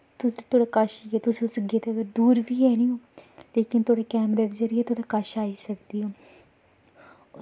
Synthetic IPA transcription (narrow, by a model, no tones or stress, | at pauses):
t̪ʊst̪ʰoːɽaːkaʃiɛːt̪ʊsisɡet̪ːɡəɾd̪uːɾʋiːɛːniːõːleːkɪnt̪oːɽaːkɛːmɾeːd̪ezəɾɪɛːt̪ʰoːɽaːkaʃaːiːsək̚d̪iːoː